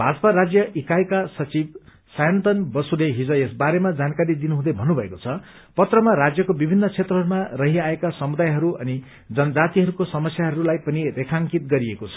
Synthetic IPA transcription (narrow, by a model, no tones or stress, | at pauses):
bʱad͡zʌpaɾad͡zjʌʔikajkasʌt͡sib | sajʌnt̪ʌnbʌsuleɦid͡zʌ̃esbaɾemad͡zankaɾid̪inuɦũd̪ʌjbʱʌnːubʱʌekot͡sʰʌ | pʌt̪rʌmaɾad͡zjʌkobibʱinːʌt͡sʰet̪rʌɦʌɾumarʌɦiaekasʌmud̪ajɦʌɾuʔʌni | d͡zʌnʌd͡zat̪iɦʌɾukosʌmʌsjaɦʌɾulajpʌnirekʰaŋkit̪ɡʌɾiekot͡sʰʌ̥